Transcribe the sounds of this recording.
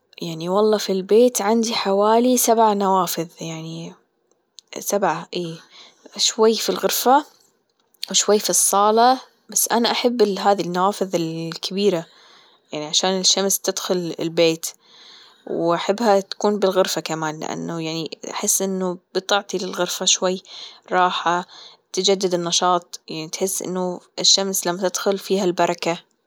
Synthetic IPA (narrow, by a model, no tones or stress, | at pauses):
jaʕniwɑlˤːɑːfilbeːt̪ʕand̪iħawaːlisabʕanawaːfɪðjaʕni | sabʕaʔeː | ʃwajːfilɣʊɾfa | wʃwajːfisˤːɑːlɑ | basːʔanaʔaħabːɪɦaːðinːawaːfɨðɪlkʰabiːɾa | jaʕniʕaʃaːnɪʃːamst̪ɪd̪xʊlɪ̰lbeːt̪ | wʔaħɪbːhat̪ḁkuːnbɪlɣʊɾfakamaːnlɪ̰ʔa̰nːʊjaʕniʔa̰ħɪsːʔɪnːʊb̥ɨt̪ˤɑʕt̪ilɪlɣʊɾfaʃwajːɾˤɑːħat̪ɪd͡ʒad̪ːɪd̪ɪnːɑʃɑːt̪̚ˤjaʕnit̪ħɪsːʔɪ̰nːʊʔɪʃːamslamːat̪ɪd̪̥xʊlfiːhalbɑɾˤɑka